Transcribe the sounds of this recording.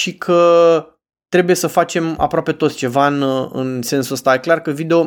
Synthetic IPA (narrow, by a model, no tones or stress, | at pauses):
ʃikʰə | t̪ɾe̞buje̞səfat͡ʃe̞ma̰pɾoape̞t̪ot̪sʲt͡ʃe̞vaɨnɨ̰nse̞nsuəst̪aje̞klarkəvid̪e̞o̞